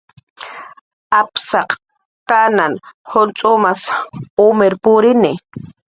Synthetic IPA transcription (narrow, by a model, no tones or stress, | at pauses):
apsɑq | kananhʊnt͡sʼʊmasʊmeɾpʊɾɪnɪ